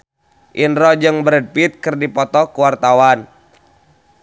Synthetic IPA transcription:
ʔinɾɔd͡ʒɨŋbɾɛd̚pit̪̚kɨrdipɔt̪ɔkuwart̪awan

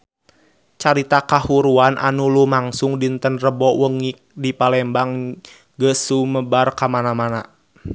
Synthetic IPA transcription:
t͡ʃaɾit̪akahuɾuanʔa̰nulumaŋsuŋdint̪ənrəbɔwəŋik̚dipalɛmbaŋ | ɡəsuməbarkamanamana

